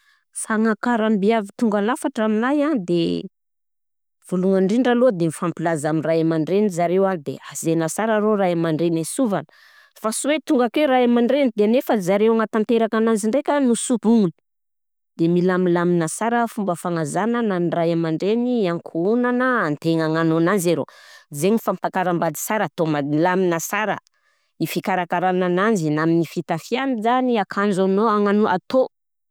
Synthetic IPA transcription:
saŋakaɾambiavit̪uŋɡalafaʈ͡ʂaminajand̪e | v̥uluŋaɳɖ͡ʐiɳɖ͡ʐalod̪emifampilazamiraamaɳɖ͡ʐenizaɾewad̪eazenasaɾaɾoɾaamaɳɖ͡ʐenasuvanə̥ | fasuwet̪uŋɡakeɾaamaɳɖ͡ʐenid̪enefəzaɾewaŋat̪ant̪eɾakananziɳɖ͡ʐekʲənusupuŋuni̥ | d̪̥emilamilaminəsaɾəfumbəfaŋazanənanirajamaɳɖ͡ʐeniaŋkʰuunanəant̪eŋaŋanonanzeɾo̰zeɲifampakaɾambad̪i̥saɾat̪omalaminəsaɾə̰ | ifikaɾakaɾananand͡zinaminifit̪afianizaniakʰand͡ʒanoaŋanoʔat̪o

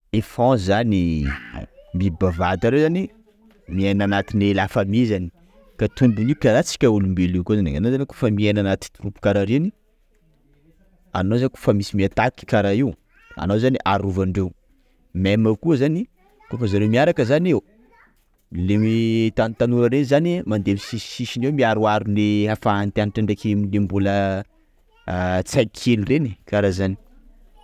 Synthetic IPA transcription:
efɔ̃zani | mibavad̪aɾewzani | mienanat̪inelafamizani | kat̪und̪iniukaɾat͡si̥kʲaulumbelikozanḭa̰nozaniko̥fəmienanat̪i̥rupu̥kaɾaɾini | a̰nozaniko̥fəmisimiat̪aki̥kʲaɾaiw | a̰nowzaniʔaɾuvaɳɖ͡ʐew | meməkuəzani | kofəzaɾewmiaɾakəzanew | lemit̪ant̪anuɾəɾenizanimand̪emisisi̥siʃinewmiaɾuaɾuneafaːnt̪ianiʈ͡ʂaɳɖ͡ʐekemilembulə | t͡sakʰelirenikaɾazani̥

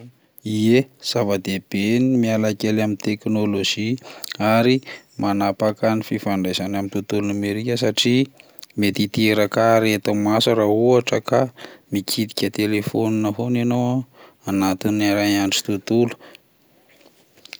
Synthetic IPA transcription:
iez̥avəd̪eb̥enimialakʲelamint̪eknoloʒiaɾimanapakanififaɳɖ͡ʐazanamint̪ut̪ulunameɾikʲəsaʈ͡ʂi | met̪it̪ieɾakaɾet̪amasuɾauaʈ͡ʂəkamikʰit̪i̥kʲət̪elefoninəɦonanow | anat̪inaɾajaɳʈ͡ʂi̥t̪ut̪ulu̥

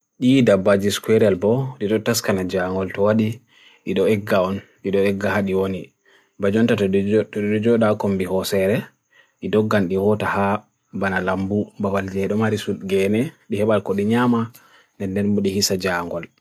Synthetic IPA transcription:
ɗidabːad͡ʒiskwɛɾɛlbɔɗiɗɔtaskanad͡ʒaŋɡɔltɔwaɗi | ɗiɗɔɛɡːaɔnɗiɗɔɛɡːahaɗiwoni | bad͡ʒɔntatɗɔd͡ʒɔɗakɔmbihɔsɛɾɛ | ɗidɔɡːanɗiwɔtaha | banalambubabald͡ʒɛɗɔmaɾisulɡɛnɛɗihɛɓalkɔɗiɲaːma | nɛndɛnbɔɗihisad͡ʒaŋɡɔl

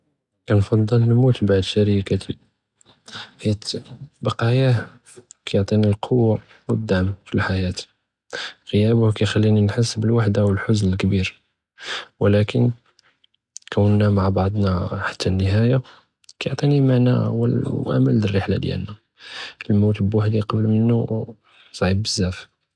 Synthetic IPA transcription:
kænfɑd̪ˤːəlnmut̪baʕd̪ʃæɾikat̪i | hit̪bɑqɑja | kæjoʕt̪ˤinilqʰowːa | wəd̪ːaʕəmfilħajæt̪ | ɣəjæbʊhkæjxælːininħəsːbəlwaħd̪awəlħʊznəlkbiɾ | wəlækən | kʰəwːənːæmaʕbɑʕd̪ˤnɑħḁt̪ʰːænːəɦæja | kjoʕt̪ˤinimaʕna̰wə̰ʔæ̰məlːərːəħla̰d̪jæ̰lnæ | əlmut̪bwaħd̪iqɑbəlmənːu | sˤʕibbəzːæf

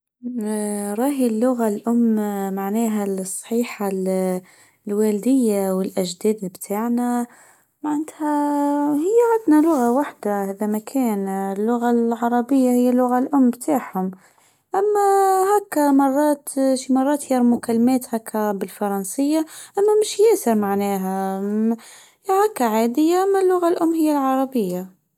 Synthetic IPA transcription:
ɾˤɑːɦilːʊɣalʔʊmːmaʕnɛːɦælsˤːħiːħal | lwæːld̪ɪjːawɪlʔæʒd̪ɛːd̪bt̪ʰaːʕna | maʕnæt̪hæhɪjːaʕand̪nalʊɣawaħd̪ahæːd̪æmækʰɛːnɪlːʊɣalʕɑɾˤɑbɪjːahɪjːalːʊɣalʔʊmːbt̪ʰaːʕhʊm | ʔæmːæɦækːamɑrˤːɑːt̪ʃimɑrˤːɑːt̪jɑɾˤmʊkalːmɛːt̪hækʰːæbɪlfɑɾˤɑnsɪjːaʔæmːæmɪʃjæːsɪɾmaʕnɛːɦæ | hækːaʕaːd̪ɪjːaʔamːælːʊɣalʔʊmːhɪjːalʕɑɾˤɑbɪjːa

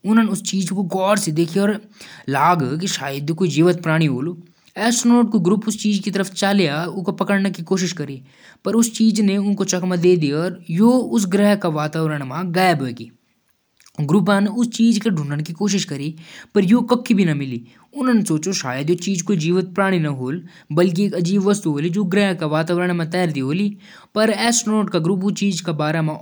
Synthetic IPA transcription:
ʊnəneʊst͡ʃiːd͡ʒkoɡɔːɽsed̪eːkʰiɔːɾlaːɡk̬iʃaːjəd̪jokoːid͡ʒiːʋət̪̚pɾaːɽ̃iɦoːlo | ɛːsnoːʈ̚koɡɾʊpʊst͡ʃiːd͡ʒkit̪ɐɾəfʰt͡ʃaːlejaʊkopɐkəɽnekikoːʃ̬ɪʃkɐɾi | pɐɾʊst͡ʃiːd͡ʒneʊnkot͡ʃɐkmad̪eːd̪iɔːɾjoːʊs̬ɡɾɛɦkaʋaːt̪aːʋɾəɽ̃mãːɡaːbɦoeːɡiː | ɡɾʊp̬ãneʊst͡ʃiːd͡ʒkeɖʱʊɳɖəɽkikoːʃ̬ɪʃkəɾipəɾjoːkəkʰːibʱinɐmɪliː | ʊnnesoːt͡ʃoʃa̰ːjəd̪jot͡ʃiːd͡ʒkoːid͡ʒiːʋət̪̚pɾaːɽ̃inɐɦoːl | bɐlk̬ikɐd͡ʒiːbʋəst̪uɦoːlid͡ʒoːɡɾɛːɦkaʋaːt̪aːʋɾəɽ̃mãt̪ɛːɾd̪iɦoːliː | pɐɾɛːsnoːʈkaɡɾʊp̬ut͡ʃiːd͡ʒkabaːɾamã

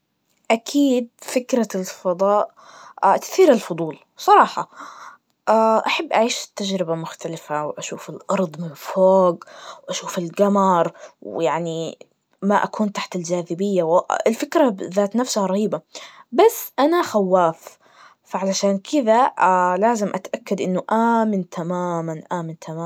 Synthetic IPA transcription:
ʔakʰiːd̪̚fɪkɾalfɑd̪ˤɑːʔ | t̪ɪ̥θiːɾalfʊd̪ˤuːl | sˤɑɾˤɑːħɑ̰ | ʔaʔaħabːʔaʕiːʃɪ̥t̪ːad͡ʒɾɪbamʊxt̪alɪfawʔaʃuːfɪlʔɑɾˤd̪ˤmɪnfoːɡwʔaʃuːfɪlɡamɑɾˤwjaʕni | maʔa̰kuːnt̪aħt̪ɪld͡ʒaːðɪbɪjːawɪlfɪkɾaðaːt̪nafsʊhaɾˤɑhiːbabasːʔanaxawːaːf | faʕalaʃaːnkʰɪðalaːzɪmʔat̪ʔakːad̪ʔɪnːʊʔaːmɪnt̪ʰamaːmanʔaːmɪnt̪ʰamaː

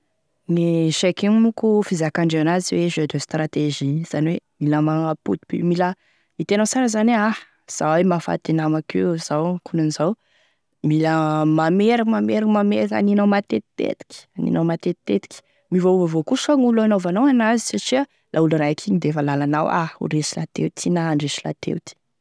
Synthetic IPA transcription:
niʃekiŋmukufizakaɳɖ͡ʐeanaziweʒød̪øst̪ɾat̪eʒiz̥aniwemiləmaŋapṵt̪i̥pḭmilə | it̪enawt͡saɾəzanah | z̥awemafa̰t̪inamakez̥awkunanizaw | miləmameɾakmameɾakmameɾaka̰ninawmat̪et̪i̥t̪ḛt̪i̥kʲi̥anḭnawmat̪et̪i̥t̪ːet̪i̥kʲi̥ | mivovvokuʃaŋulanovanowanazi̥saʈ͡ʂia | lʔauluɾajakʰiɲid̪efəlalanawa̰ṵɾesila̰t̪ḛwt̪ʰinaɳɖ͡ʐeʃila̰t̪ʰḛwt̪i̥

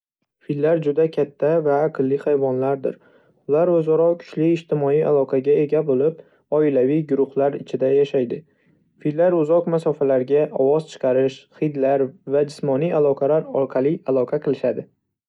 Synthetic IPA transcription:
fillːaɾd͡ʒʊd̪akʲʰat̪ʰːavaːqʰɨlːɪhajvɒnlaɾd̪ɪ̰ɾ | ʊlaɾozaɾɒkʰʊ̥t͡ʃliːʃt̪ʰɪmɒija̰lˠɒqʰɑɡʲae̞ɡʲabolɪp̚ | ɒɪlaviɡʊɾʊhlaɾɪt͡ʃʰɪd̪ajaʃajd̪ɪ | fillːaɾʊzɒqmasɒfalaɾɡʲaʔɒ̰wɒzt͡ʃʰɨ̥qʰɑɾɪʃχɨjd̪laɾvad͡ʒɪsmɒnijalˠɒqʰɑlaɾɒɾqʰɑlˠialˠɒqʰɑqʰɨlˠɪʃad̪ɪ

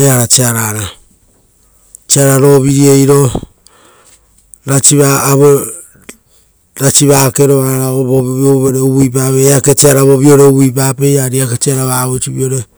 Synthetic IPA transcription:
eaɾat͡ʃiaɾaɾa | t͡ʃiaɾaɾo̞βiɾiejɾo̞ | ɾat͡ʃiβaːβo | ɾat͡ʃiβake̞ɾo̞aɾaoβooβɾeuβuip̬aβeake̞t͡ʃiaɾaβo̞βio̞ɾe̞uβuip̬ape̞jaɾiaket͡ʃiaɾaβaːβot͡ʃiβio̞ɾe̞

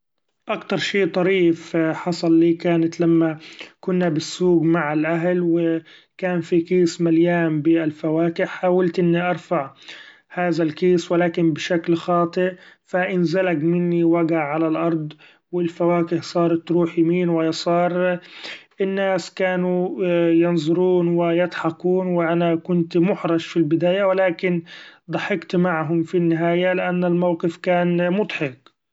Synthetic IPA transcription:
ʔakt̪ɑɾˤʃiːt̪ˤɑɾiːfħɑsˤɑlːiːkaːnat̪lamːakʊnːabɪsːuːɡmaʕalʔaɦlwɪ | kaːnfikiːsmaljaːmbɪalfawaːkɪħaːwalt̪ʔɪnːiʔɑɾˤfaʕ | haːðalkiːswɪlaːkɪnbɪʃaklxɑːt̪ˤɨʔfaʔɪnzɪlakmɪnːiwaɡaʕalalʔɑɾˤd̪ˤ | wɪlfawaːkɪhsˤɑːɾˤt̪ɾuːħjamiːnwajsˤɑːɾˤ | ʔɪnːaːskaːnujɑnzˤʊɾuːnwɪjɪt̪ˤħɑquːnwɪʔanakʊnt̪mʊħɾˤɑʃfilbɪd̪aːjawɪlaːkɪnd̪ˤɑħɪkt̪maʕɦʊmfinːɪɦaːjalɪʔanːalmawqɪfkaːnmʊd̪ˤħɪq

